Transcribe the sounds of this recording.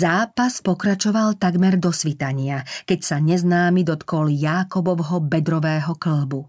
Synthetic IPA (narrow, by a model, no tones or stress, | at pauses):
zaːpaspɔkɾat͡ʃɔʋalt̪aɡmɛɾd̪ɔsʋit̪aɲɪakɛcsaɲɛznaːmid̪ɔt̪kɔljaːkɔbɔwɦɔbɛd̪ɾɔʋɛːɦɔkl̩bu